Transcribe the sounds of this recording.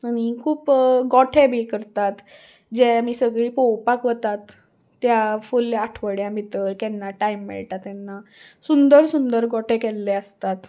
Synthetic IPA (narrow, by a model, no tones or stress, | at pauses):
əñikʰuːpɡɔʈʰebʱikəɾt̪at̪ | d͡ʑɛmiːsəɡɭiːpɔwpakʋət̪at̪ː | jafulaʈʰʋəɽjãmit̪əɾkɛnːaʈaimːḭɭʈ̪at̪ɛnːasund̪əɾsund̪əɾɡɔʈʰekɛlːeəst̪at̪